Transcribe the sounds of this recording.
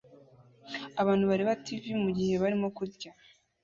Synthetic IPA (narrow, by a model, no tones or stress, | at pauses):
aβaːnhuβaɾiβativimuɟihe̞βaɾimo̞kuɾɟa